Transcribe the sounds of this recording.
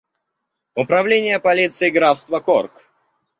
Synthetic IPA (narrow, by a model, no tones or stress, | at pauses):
ʊpɾɐvlʲenʲɪjəpɐlʲit̪sɨɪɡɾafst̪vəkork